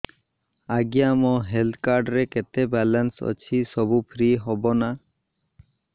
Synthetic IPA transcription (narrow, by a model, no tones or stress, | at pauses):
aɡijamɔɦelt̪ʰkaɾɖɾeket̪ebɛlənsə̰t͡ɕʰisɔbupʰɾiɦɔbɔna